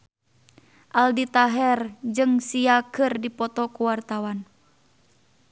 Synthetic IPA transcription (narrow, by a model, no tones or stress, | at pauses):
ʔaldit̪aɦɛrd͡ʒɨŋsiakɨrdipɔt̪ɔkuwart̪awan